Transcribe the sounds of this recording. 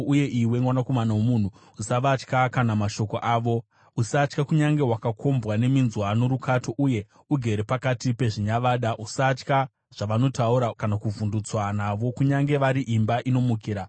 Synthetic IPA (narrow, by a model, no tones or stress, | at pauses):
uje̞ʔiwe̞ŋɡwanako̞manawomun̤u | usaʋat͡ʃkakanamaʃo̞koʔaːʋo̞ | usat͡ʃkakuɲaŋɡe̞ɦwakakʰo̞mbwane̞minzwanoɾukʰato̞ʔuje̞ | uɡʱe̞ɾepakatipe̞ʐiɲaʋaːɗaʔusat͡ʃka | ʐ̥aʋano̞tauɾakanakuvundut͡swanaʋo̞kuɲaŋɡe̞ʋaɾiʔimbaʔino̞mukiːɾa